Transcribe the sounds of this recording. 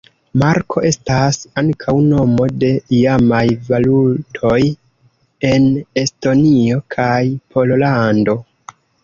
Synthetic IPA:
maɾkʰo̞ʔe̞stasaŋkʰawno̞mo̞de̞ijamajvalutʰo̞j | e̞ne̞sto̞nio̞kʰajpʰo̞llando̞

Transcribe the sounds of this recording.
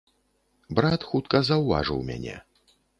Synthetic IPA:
bɾat̪xut̪kɐzɐwva̰ʐɨ̰wmʲa̰nʲɛ̰

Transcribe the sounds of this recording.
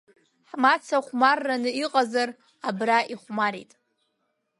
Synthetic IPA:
ħmat͡sʰaχʷmarːanɨiqʼazar | abraʔiχʷmaɾḭtʼ

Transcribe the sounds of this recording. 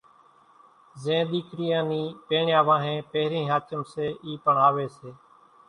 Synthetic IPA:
zẽːɗ̪iːkʰɾɪjãːnĩːpeːɳjãːʋãːɦẽːpeːɾĩːɦaːt͡ʃəmseːʔiːpəɳaːʋeːseː

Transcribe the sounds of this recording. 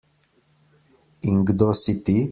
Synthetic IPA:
iŋɡd̪osit̪i

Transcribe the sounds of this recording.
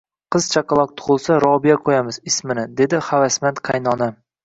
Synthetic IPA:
qʰɨz̥t͡ʃʰɑqɑlˠɒq̚t̪ʰʊ̥χʊlˠsaɾɒbijaqʰojamɪzɪsmɪnɪd̪e̞d̪ɪhavasmant̪qʰajnɒna

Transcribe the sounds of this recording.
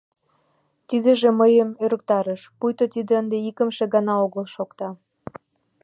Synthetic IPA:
t̪id̪ĕʒĕməjəmøɾə̆k̚t̪ɑɾəʃpujt̪ot̪id̪eənd̪eikə̆mʃĕɣɑnɑoɣəlʃokt̪ɑ

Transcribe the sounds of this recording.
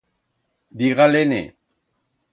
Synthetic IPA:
d̪iɣalenḛ

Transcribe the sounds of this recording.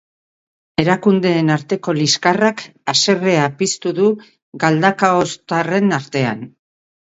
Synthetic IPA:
e̞ɾakund̪e̞ːnaɾt̪e̞ko̞liskarakase̞re̞apist̪uðu | ɡald̪akaost̪are̞naɾt̪e̞a̰n

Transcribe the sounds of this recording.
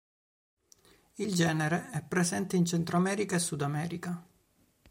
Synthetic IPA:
ild͡ʒɛːneɾeɛpːɾesɛnt̪eint͡ʃent̪ɾoamɛːɾikaesːud̪amɛːɾika

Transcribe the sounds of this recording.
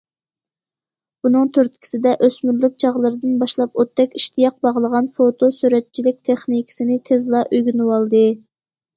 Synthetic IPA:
b̥unɨŋt̪ʰøɾt̪kʲʰi̥sɪd̪ɛʔøsmyɾlyk̚ʲt͡ʃʰɑʁlˠɨɾɨd̪ɨnbɑʃlˠɑpot̪ːɛkʲiʃt̪ʰijɑq̚bɑʁlˠəʁɑnfot̪ʰosyɾɛt̪̚t͡ʃʰilɪk̚ʲt̪ʰeχnikʰʲɪ̥sɪnɪt̪ʰezlˠɑʔøjɡʲynɨwɑlˠd̪ɨ

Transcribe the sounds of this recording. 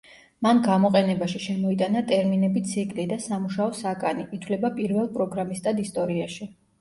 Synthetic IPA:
manɡamɔqʼɛnɛbaʃiʃɛmɔit̪ʼanat̪ʼɛɾminɛbit̪sʰikʼlid̪asamuʃaɔsakʼaniʔit̪ʰwlɛbapʼiɾvɛlˠpʼɾɔɡɾamist̪ʼad̪ist̪ʼɔɾiaʃi

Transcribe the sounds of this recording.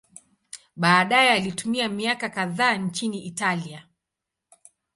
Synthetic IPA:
ɓaːɗajɛalitumiamiakakaðaːnt͡ʃiniʔitalia

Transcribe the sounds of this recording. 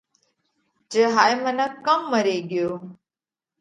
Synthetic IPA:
d͡ʒəɦaːjmənakəmːəɾeːɡjoː

